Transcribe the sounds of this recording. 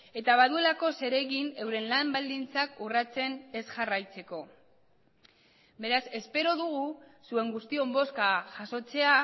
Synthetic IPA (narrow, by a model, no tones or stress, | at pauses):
e̞t̪aβ̞aðue̞lako̞se̞ɾe̞ɣine̞wɾe̞nlambald̪int͡sakurat͡se̞ne̞sʝarajt͡se̞ko̞ | be̞ɾase̞spe̞ɾo̞ðuɣ̞usue̞ŋɡust̪io̞mbo̞skaʝaso̞t͡se̞a